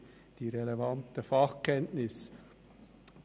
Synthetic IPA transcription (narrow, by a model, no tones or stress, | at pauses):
d̥iːɾɛlevɑnt̪əfɑχkʰɛntnɪs